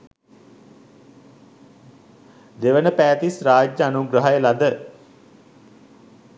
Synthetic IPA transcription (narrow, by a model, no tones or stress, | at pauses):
d̪eʋənəpæːt̪israːd͡ʒəanuɡɾəɦajəlad̪ə